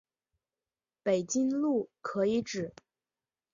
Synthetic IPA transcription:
pe˨˩ɪt͡ɕi˥ŋlu˥˩kʰɤ˧˥i˧˥ʈ͡ʂɻ̩˨˩˦

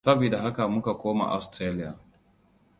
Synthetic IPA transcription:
sɐ˦bi˨da˨ɦa˦ka˨mʊ˦ka˨kʷoː˦ma̰˨ʔa̰˦stɾe˦lɪ˦ja̰˨

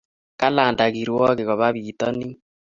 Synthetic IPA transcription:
ka˦laː˨nda˨ɣi˨ɾwɔ˦ɣe˨ɣɔ˨βa˦βiːtɔ˦ni˦

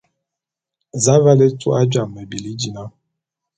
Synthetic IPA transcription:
za˦va˦le˦tṵ˦a˦d͡ʒa˨mːɛ˨bi˨li˦d͡ʒi˨na˦

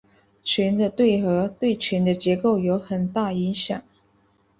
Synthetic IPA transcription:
t͡ɕʰɥɛ˧˥nd̪ə˧t̪we˥˩ɪxɤ˧˥t̪we˥˩ɪt͡ɕʰɥɛ˧˥nd̪ə˧t͡ɕjɛ˧˥ko˥˩ʊjo˧˥ʊxə˨˩nt̪a˥˩i˧˥ŋɕjɑ˨˩˦ŋ

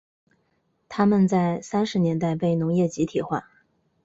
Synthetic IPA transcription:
t̪ʰa˥mə˨nt͡sa˥˩ɪsa˥nʂɻ̩˧˥njɛ˧˥nt̪̬a˥˧ɪpe˥˩ɪnʊ˧˥ŋjɛ˥˩t͡ɕi˧˥t̪ʰi˨˩xwa̰˥˩

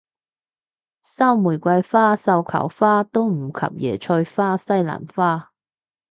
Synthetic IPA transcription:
sɐ˥wmuː˨˩jkʷɐ˧jfaː˥sɐ˧wkʰɐ̰˨˩wfaː˥t̪o˥wm̩˨˩kʰɐ̰˨p̚jɛː˨˩t͡ʃʰɵ˧jfaː˥sɐ˥jla̰ː˨˩nfaː˥

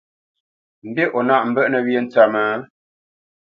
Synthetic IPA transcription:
m̩˨be˦ʔo˨na˦˨ʔm̩˨bə˦ʔnə˨βje˦n̩˨˦t͡sa˨mə˨˦

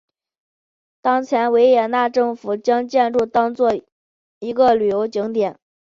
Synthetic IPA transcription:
t̪ɑ˥ŋt͡ɕʰjɛ˧˥nwe˧˥ɪjɛ˨˩na˥˧ʈ͡ʂɤ˥˩ŋfu˨˩t͡ɕjɑ˥ŋt͡ɕjɛ˥˧nɻu˥˩t̪ɑ˥ŋt͡swɔ˥˩ | i˧˥ɡə˧ly˨˩jo˧˥ʊt͡ɕi˧˥ŋt̪jɛ˨˩˦n

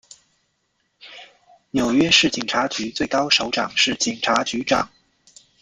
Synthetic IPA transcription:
njo˨˩ʊɥɛ˥ʂɻ̩˥˩t͡ɕi˨˩ŋʈ͡ʂʰa˧˥t͡ɕy˧˥t͡swe˥˩ɪkɑ˥ʊʂo˧˥ʊʈ͡ʂɑ̰˨˩ŋʂɻ̩˥˩t͡ɕi˨˩ŋʈ͡ʂʰa˧˥t͡ɕy˧˥ʈ͡ʂɑ̰˨˩˦ŋ

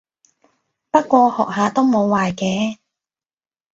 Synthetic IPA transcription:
pɐ˥t̚kʷɔː˧hɔ̰ː˨k̚haː˨˧t̪o˥wmo˨˧wːaː˨jkɛː˧˥

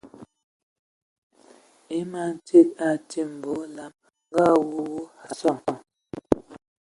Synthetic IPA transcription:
e˦ma˦˨n̩˨tʰe˦˨k̚a˨tʰi˦m̩˨bo˨˦la˦m | ŋ˦ɡa˦˨wu˦wu˦ha˨sɔ˦˨

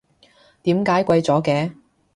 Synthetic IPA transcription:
t̪iː˨˥mkaː˨˥jkʷɐ˧jt͡sɔː˨˥kɛː˧

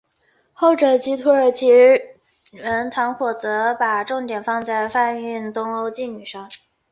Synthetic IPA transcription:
xo˥˩ʊʈ͡ʂɤ˨˩t͡ɕi˧˥t̪ʰu˧˥ə˞˨˩t͡ɕʰi˧˥ | ɻə˧˥nt̪ʰwa˧˥nxwɔ˨˩t͡sɤ˧˥pa˨˩ʈ͡ʂʊ˥˩ŋt̪jɛ˨˩nfɑ˥˧ŋt͡sa˥˧ɪfa˥˧ny˥˩nt̪ʊ˥ŋo˧˥ʊt͡ɕi˥˩ny˨˩ʂɑ˥˩ŋ

